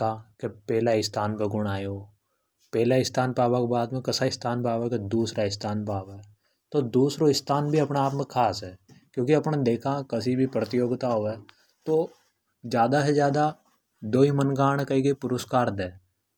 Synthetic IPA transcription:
kakepɛːlaɪst̪ʰaːnpeɡʊɽ̃aːjoː | pɛːlaɪst̪ʰaːnpaːbakebaːd̪mẽkɐsaɪst̪ʰaːnpaːʋaked̪uːsɾaɪst̪ʰaːnpaːʋɛ | t̪od̪uːsɾoɪst̪ʰaːnbʱiɐpnaaːpmẽkʰaːsɦɛːkjõːkiɐpnad̪eːkʰãkɐsibʱipɾət̪ɪjoːɡt̪aɦoɛː | t̪oː | d͡ʒjaːd̪aɦed͡ʒjaːd̪a | d̪oːimənɡaːɽ̃kɐikepʊɾəskaːɾd̪ɛ̃ː

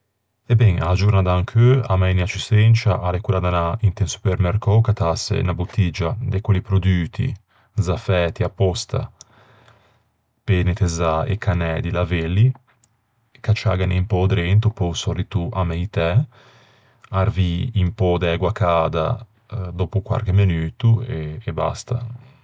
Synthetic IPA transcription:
ɛbɛŋad͡ʒuɾnad̪aaŋkʰøamɛjniat͡ʃisent͡ʃaʔalekuɾad̪anaint̪ɛnsu̥pɛɾmɛɾkɔkat̪asḛnabut̪ːid͡ʒad̪ekwelipɾod̪yːt̪ʰḭ | zafɛːt̪iapːɔst̪a̰ | penet̪ezaḛkːanɛd̪ilavelːi | kat͡ʃa̰ɡaneimpɔd̪ɾent̪upɔsɔrit̪uʔamɛjt̪ɛ | arviːmpɔd̪ɛɡwakaːd̪a̰ | d̪oːpukwa̰ɾkemenyːt̪ueːba̰st̪a

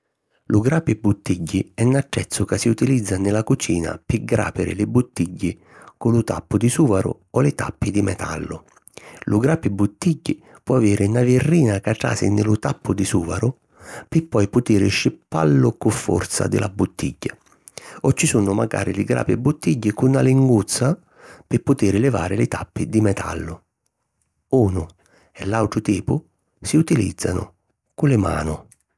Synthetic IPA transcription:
lʊɡɾaːpɪbut̪ːiɟːiɛnaʈːɛt̪sːʊkasːiut̪ilid̪zːanɪlakut͡ʃiːna̰pɪɡɾa̰ːpɪɾɪ̰lɪbut̪ːiɟːi | kʊlʊt̪a̰pːʊd̪isuːvaɾʊ̰ | ɔlɪt̪a̰pːid̪imɛt̪ʰa̰lːʊ | lʊɡɾaːpɪbut̪ːiɟːi | pwɔaveːɾɪnavɪrːiːnakaʈɾa̰ːsɪ̰nɪlʊt̪apːʊd̪isuːvaɾʊ | pɪpːɔjpʊt̪iːɾɪʃɪpːa̰lːʊkʊfːɔ̰rt̪sa̰d̪ɪ̰lʔabʊt̪ːḭɟːa | ɔt͡ʃːisunʊma̰ɡa̰ːɾɪlɪɡɾa̰ːpɪbːut̪ːiɟːɪkʊnːaliŋɡut̪sːa | pɪpːʊt̪iːɾɪlɪva̰ːɾɪlɪt̪apːɪd̪imɛt̪ʰa̰lːʊ | uːnʊ | ɛlːawʈ̪ɾʊt̪iːpʊ | siut̪ilḭd̪zːa̰nʊ̰ | kʊlɪma̰ːnʊ

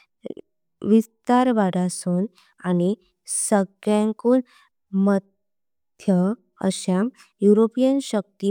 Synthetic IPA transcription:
ʋist̪aɾʋaɽasuːn | ani | səɡjãŋkuːn | məd̪ʱ | jə | ə̰ɕa | juɾopijənɕək̚t̪i

